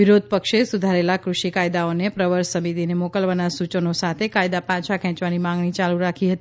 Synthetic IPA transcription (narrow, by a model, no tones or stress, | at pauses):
ɪɾod̪̚ʱpəkʃesud̪ʱaɾelakɾuʃikajd̪aonepɾəʋəɾsəmit̪inemokəlʋanasut͡ʃənosat̪ʰekajd̪apãt͡ʃʰakʰɛ̃t͡ʃʋanimãŋɡɳit͡ʃaluɾakʰiɦət̪ii